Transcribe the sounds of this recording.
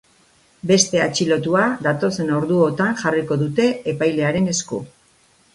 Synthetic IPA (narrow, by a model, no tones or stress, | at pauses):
be̞st̪e̞at͡ʃilo̞t̪uad̪at̪o̞se̞no̞ɾðuot̪anxariko̞ðut̪e̞ːpajle̞aɾe̞ne̞sku